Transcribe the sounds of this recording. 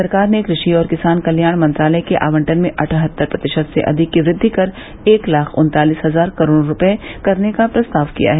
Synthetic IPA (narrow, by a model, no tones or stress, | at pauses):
sɐɾkaːɾnekɾɪʃiɔːɾkɪsaːnkɐljaːɽ̃mɐ̃nt̪ɾaːləjkeʔa̰ːʋə̃ɳʈənmẽʔɐʈʰɦət̪ːəɾpɾɐt̪ɪʃəd̪sḛʔɐ̰d̪ʱɪkːiʋɾɪd̪ʱːikɐɾ | eːklaːkʰʊ̰̃nt̪aːliːsɦɐzaːɾkɐɾoːɾːʊpekɐɾnekapɾɐst̪aːʋkḭja̰ɦɛː